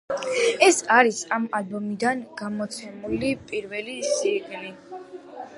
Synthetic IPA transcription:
ɛsaɾisamalbɔmid̪anɡ̥amɔt̪sʰɛmulipʼiɾvɛlisiɡni

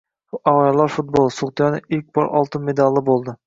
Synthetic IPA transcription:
ɒʁɑlˠɑɾfʊt̪̚bolˠsʊʁt̪ʰjɒnɪɪlk̚ʲbɒɾʔɒ̰lˠt̪ɪnme̞d̪ɑlˠːɪbolˠd̪ɪ

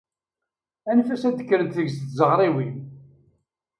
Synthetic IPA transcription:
ænfæsæd̪ə̥kːɾənt̪θəʝsθzəʁɾˤiwi

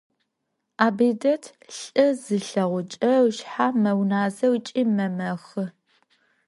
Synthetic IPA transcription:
aːbidɐtʰ | ɬʼɨzɨɬɐʁʷʊt͡ʃʼɐwʃħaːmɐwnaːzɐwt͡ʃʼiːmɐmɐxɨ

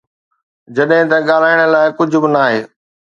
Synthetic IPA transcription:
d͡ʑɐɗɦɪ̃t̪ɐɠaːl̤aːɪɽ̃ə̆laːɪkʊd͡ʑʱʊ̆bɪnaːɦeː

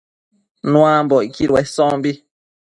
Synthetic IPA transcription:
nw̃ãmbɔʔikiɾwɛsɔ̃ːmbi

